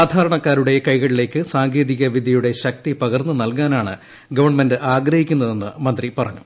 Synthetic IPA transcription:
saːd̪ʱaːɾɐɳɐkːaːɾuɽe̞kɐjɣɐɭile̞ːkːɨsaːŋɡeːðiɣɐʋid̪ʱijuɽe̞ɕɐk̚t̪ipɐɣɐrnːɨnɐlkaːnaːɳɨ̰ | ɡɐʋɐrɳmendɨʔaːɡɾɐhikʲːunːɐðe̞nːɨ̰mɐnd̪ripɐrɐɲːu̥̰

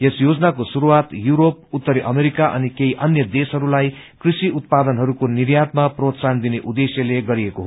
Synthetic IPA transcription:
jesjod͡zʌnakosuɾuwat̪juɾoput̪ːʌɾiʔʌmeɾikaʔʌnikeiʔʌnjʌd̪esɦʌɾulaj | krisiut̪̚pad̪ʌnɦʌɾukonirjat̪̚maprot̪sand̪ineʔud̪esjʌleɡʌɾiekoɦ

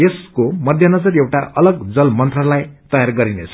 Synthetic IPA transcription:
eskomʌd̪ʱjʌnʌd͡zʌrewʈaʔʌlʌɡd͡zʌlmʌnt̪rʌlajt̪ʌjarɡʌɾinet͡sʰʌ

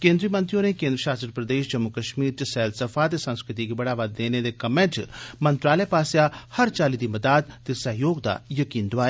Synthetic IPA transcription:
kẽːnd̪ɾiːmɐ̃nt̪ɾijõnekẽːnd̪ɾəʃaːsəɾpɾɐd̪eːʃd͡ʒɐmːukɐʃmiːɾt͡ʃisɛːlsɐfat̪esɐ̃nskɾɪt̪ikibɐɽaːʋaːd̪ːeːned̪ekɐmẽt͡ʃmɐ̃nt̪ɾaːləpaːsjahɐɾt͡ʃaːlid̪imɐd̪aːd̪t̪esɐɦjoːɡd̪a̰jɐkiːnd̪ʊʋaːja

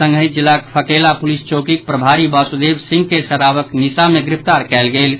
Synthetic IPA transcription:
ə̃ŋɡəĩd͡ʒilːakpʰəkelapulist͡ʃokik̚pɾəbʱaɾibasud̪ebsĩŋɡkesəɾabəknisameɡɾipʰt̪aɾkɛlɡel

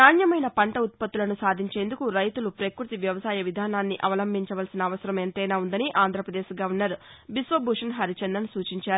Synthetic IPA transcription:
naːnjɐmɐjnɐpɐɳʈɐut̪̚pɐt̪ːulɐnusaːd̪ʱiɲt͡ʃe̞ːnd̪ukuɾɐjt̪ulupɾekɾut̪iʋjɐʋɐsaːjɐʋid̪ʱaːnaːnːiʔɐʋɐlɐmbʱiɲt͡ʃɐʋɐlsinɐːʋɐsɐɾɐment̪ɛjnaːund̪ɐniʔaːnd̪ɾɐpɾɐd̪eːʃiɡaːunːaːɾu | bisʋɐbʱuʂɐnɦɐɾit͡ʃend̪ɐnsuːt͡ʃiɲt͡ʃaːɾu

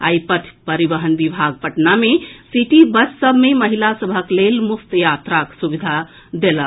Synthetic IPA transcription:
a̰jpət̪ʰpəɾibəɦənbibʱaɡ̚pəʈnamesiʈibəssəbʱmeməɦilasəbʱəklelmukt̪jat̪ɾaksubid̪ʱa | d̪elə

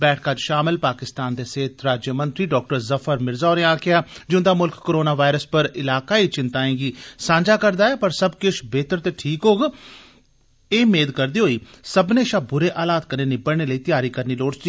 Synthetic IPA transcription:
bɛːʈʰkaːd͡ʒʃaːmɪlpaːkɪst̪aːnd̪eːseːt̪ɾaːd͡ʒjəmənt̪ɾiːɖɔːk̚ʈəɾzəfʰəɾmɪɾzaːoɾnẽːaːkɪjaːd͡ʒɪ̃nd̪aːmʊlkkːoːɾoːnaːʋaːɾəspəɾɪlaːkaːiːt͡ʃɪnt̪aːẽːɡiːsãːɲd͡ʒaːkəɾd̪aːɛːpəɾsəbkɪt͡ʃbeːt̪əɾt̪eːʈʰiːkɦoːɡ | eːmeːd̪kəɾd̪iːɦoːiː | səbnẽːʃaːbʊɾeːʔaːlaːt̪kəneːnẽːbəɽɳeːləiːt̪ɪjaːɾiːkəɾniːloːɽt͡ʃd͡ʒiː

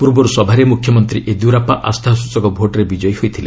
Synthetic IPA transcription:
puɾbɔɾusɔbʱaɾemukʰjɔmɔnt̪ɾiʔed̪uɾapaʔast̪ʰaɦsut͡ʃɔɡɔbʱoʈɾebid͡ʒɔjhojt̪ʰile

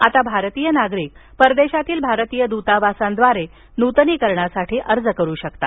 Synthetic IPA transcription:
at̪abʱaɾt̪iːjənaɡɾiːk̚pəɾd̪eɕat̪iːlbʱaɾət̪iːjəd̪ut̪aʋasãnd̪ʋaɾe | nut̪niːkəɾɳasaʈʰiːʔəɾd͡zəkəɾuːɕəkt̪a̰

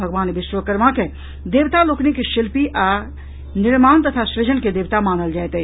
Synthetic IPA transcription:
ɐɡʋaːnʋɪʃwəkəɾmãke | d̪eːʋt̪aloːknikeʃɪlpiʔa | nɪɾmaːnt̪ɐt̪ʰasɾed͡ʒənked̪eːʋt̪amaːnəld͡ʒaːt̪e

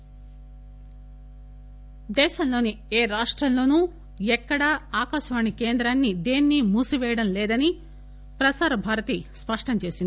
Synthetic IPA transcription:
d̪ɛːʃɐmlo̞ːni | eːɾaːʂʈɾɐmlo̞ːnuː | ɛkːɐɽɐaːkaːʃɐʋaːɳikeːnd̪ɾaːnːid̪eːnːimuːsiʋɛːjɐɽɐmlɛːd̪ɐni | pɾɐsaːɾɐbʱaːɾɐt̪ispɐʂʈɐmt͡ʃe̞ːsin

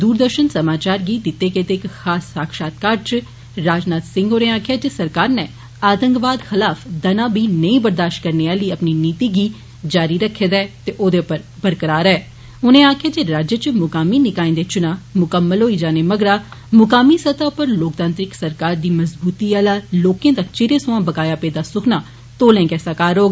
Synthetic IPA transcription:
d̪uːɾd̪əɾʃənsəmaːt͡ʃaːɾɡiːd̪ɪt̪ːeːkeːt̪eɪkxaːsːaːkʃaːt̪̚kaːɾt͡ʃ | ɾaːd͡ʒnaːt̪sɪ̃ŋɡɦoːnẽːaːkʰjaːd͡ʒesəɾkaːɾnɛː | aːt̪ə̃ŋkʋaːd̪xɪlaːfʰd̪ənãːbʱiːnəĩːbəɾd̪aːʃʈ̚kəɾneːaːləiːəpniːniːt̪iːɡiː | d͡ʒaːɾiːɾəkʰːeːd̪ɛːt̪eːʔoːd̪eːʊpəɾbəɾkəɾaːɾɛː | ʊnẽːaːkʰejaːd͡ʒeːɾaːd͡ʒət͡ʃmʊkaːmiːnɪkaːẽːd̪eːt͡ʃʊnãːmʊkəmːəlɦoːiːd͡ʒaːneːməɡɾaːmʊkaːmiːsət̪aːʊpəɾloːkt̪ãːnt̪ɾɪksəɾkaːɾd̪iːməzbuːt̪iːaːlaːloːkẽːt̪at͡ʃɪɾeːsʊ̃ãːbəkaːjaːpeːd̪aːsʊkʰnaː | t̪oːlẽːkɛːsakaːɾɦoːɡ

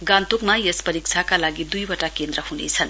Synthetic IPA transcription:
ɡant̪ukmajespʌɾik̚t͡sʰakalaɡid̪ujwʌʈakend̪ɾʌhunḛt͡sʰʌn

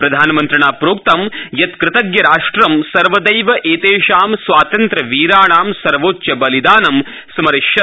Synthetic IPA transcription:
pɾɐd̪ʱaːnɐmɐnt̪ɾɐɳaːpɾoːk̚t̪ɐmjɐt̪kɾɪt̪ɐɡjɐɾaːʂʈɾɐmsɐɾʋɐd̪ɐjʋɐʔeːt̪eːʃaːmsʋaːt̪ɐnt̪ɾɐʋiːɾaːɳaːmsɐɾʋoːt͡ʃːjɐbɐlid̪aːnɐm | sɐmɐɾɪʃjɐ

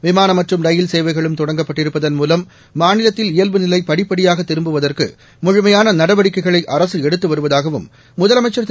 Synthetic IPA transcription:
ʋɪmaːnɐmɐʈrɯmɾɐjɪlseːʋɐɪɣɐɭɯmt̪ɔɽɐŋɡɐpːɐʈːɪɾɯpːɐðɐnmuːlɐmː | aːnɪlɐt̪ːɪlɪjɐlʋɯnɪlɐɪpːɐɽɪpːɐɽɪjaːɣɐt̪ːɪɾɯmbɯʋɐðɐrkɯ̰ | mʊɻʊmɐjaːnɐnɐɽɐʋɐɽɪkːɐɪɣɐɭɐɪʔɐɾɐsɯɛɽɯt̪ːɯʋɐɾɯʋɐðaːɣɐʋɯ̰mː | ʊðɐlɐmɐɪt͡ʃːɐɾt̪

